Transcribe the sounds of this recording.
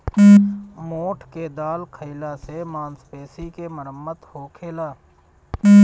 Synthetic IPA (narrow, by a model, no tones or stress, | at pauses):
moːʈʰked̪aːlkʰəɪlasemãːnspeːsikeməɾəmːət̪hoːkʰeːlaː